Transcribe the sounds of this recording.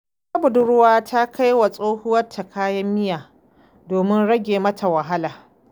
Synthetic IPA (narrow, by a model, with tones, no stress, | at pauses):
sa˦bʊ˨dʊ˦ɾʊ˦waː˦tʰa˦kʰa˦jwa˨sʼoː˦hʊ˦wɐ˦tʰːa˨kʰaː˦jɐ˦mːɪ˦jaː˨ | doː˨mɪ˦nɽɐ˦ɡʲeː˨mɐ˦tʰa˨wɐ˨ɦa˦laː˨